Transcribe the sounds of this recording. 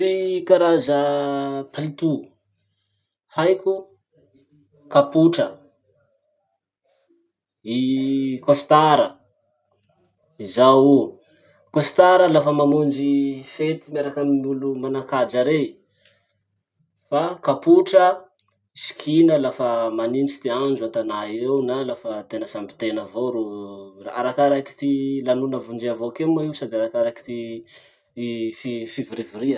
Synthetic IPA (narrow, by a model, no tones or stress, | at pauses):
ikaɾazəpʰalit̪u | hajku | kapuʈ͡ʂə | ikost̪aɾə | izawu | kost̪aɾəlafəmamund͡ʒifet̪imeɾakənimulumanakad͡ʒaɾe | fakapuʈ͡ʂə | isi̥kʰinəlafəmanint͡ʃi̥t̪iand͡ʒuat̪anaewnalafət̪enəsambi̥t̪enəvoɾua̰ɾakaɾaki̥t̪ilanunəvund͡ʒiavokemaisad̪eaɾakaɾaki̥t̪i | fifiviɾivuɾiə